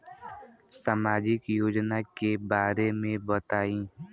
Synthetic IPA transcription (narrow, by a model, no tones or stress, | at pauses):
samaːd͡ʒɪkjoːd͡ʒnakebaːɾemẽbət̪aːĩː